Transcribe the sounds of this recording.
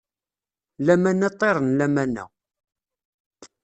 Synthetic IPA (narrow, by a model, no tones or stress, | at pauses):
læmænːæt̪ˤːeɾˤənlæmænːæ̰